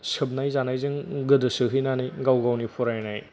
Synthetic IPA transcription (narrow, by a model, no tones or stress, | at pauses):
sɯb̚najzanajzɯŋɡɯdɯsɯɦɯjnanijɡawɡawnipʰuɾajnaj